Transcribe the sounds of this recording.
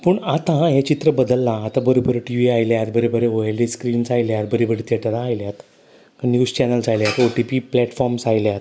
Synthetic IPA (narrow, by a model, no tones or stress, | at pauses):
puɳat̪ãɦet͡ɕit̪ɾəbəd̪əlːãːt̪ãbəɾobəɾəʈiʋiajljat̪bəɾebəɾeoelɖeskɾiːnd͡zajljaɾbəɾibəɾet̪ʰeʈəɾaːjljat̪ | kənjuːd͡zt͡ɕɛnəld͡zajljat̪oʈipiplɛʈfɔɾmsajljat̪